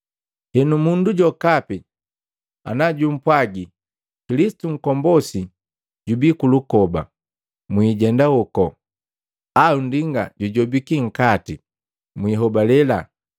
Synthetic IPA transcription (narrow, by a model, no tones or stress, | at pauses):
hɛnumunduɟɔkapi | a̰naɟum̩pwaɡi | kilisi̥tuŋ̩kɔmbɔsi | ɟubikulukɔba̰ | mwiːɟɛndawɔkɔ | aundiŋɡa̰ɟuɟɔbikiŋ̩kati | mwiɦɔbalɛla